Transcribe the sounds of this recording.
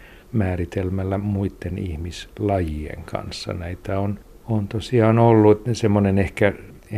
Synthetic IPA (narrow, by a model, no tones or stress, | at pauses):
mæːrit̪elmælːæmuit̪ːenḭhmislɑjiḛŋkʰɑ̰nsːɑ̰næit̪æon | ont̪osiɑːnolːusemːonenehkæ